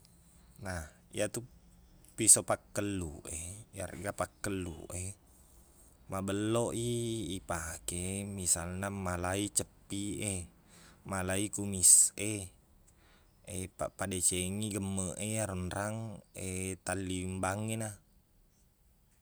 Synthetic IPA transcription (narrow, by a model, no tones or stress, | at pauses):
nah | ḭat̪u | pisopakːəlːṵʔeja̰r̰ɡapakːəlːṵʔe | mabəlːoʔiipakemisalnamalait͡ʃəpːie | malaikumise | epa̰padet͡ʃeŋiɡəmːəʔejaɾunɾaŋet̪alːimbaŋena